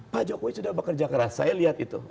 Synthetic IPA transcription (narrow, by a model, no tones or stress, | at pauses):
pad͡ʒokoisudahbəkərd͡ʒakəɾasa̰jaliɦat̪it̪ṵ